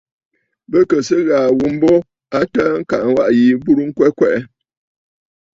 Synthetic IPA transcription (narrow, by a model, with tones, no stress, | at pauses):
bə˦kə˨sə˦ɣaː˨wu˨m̩˦bo˦ | a˦tə˦ŋ̩˦ka˨ʔŋ˦wa˦ʔji˨bu˦ɾu˦ŋ̩˦kwɛ˦kwɛ˦ʔɛ˦